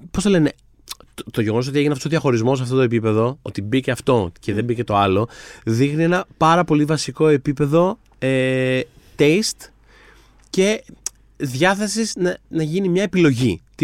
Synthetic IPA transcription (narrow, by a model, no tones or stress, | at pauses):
po̞st̪olene̞ | tt̪o̞jʝe̞ɣonosot̪ie̞ʝineft̪osoðjɐxo̞ɾizmo̞s̬ɐft̪o̞t̪o̞ep̬ipe̞ðo̞o̰t̪ibiceɐft̪o̞ce̞ðebice̞t̪o̞ɐlo̞ðixnie̞nɐpɐɾɐpo̞livɐsiko̞e̞pipe̞ðo̞ | e | t̪e̞st̪ | ce̞ | ðʝɐθesiznɐnɐʝinimɲɐepilo̞ʝit̪i